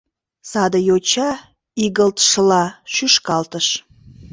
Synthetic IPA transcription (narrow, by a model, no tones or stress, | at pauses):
sɑd̪əjot͡ɕɑ | iɣəlt̪ʃəlɑʃyʃkɑlt̪əʃ